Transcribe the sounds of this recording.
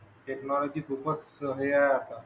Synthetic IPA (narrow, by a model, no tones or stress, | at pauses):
ʈeknɔlɔd͡ʑiːkʰupəsəɦeajat̪a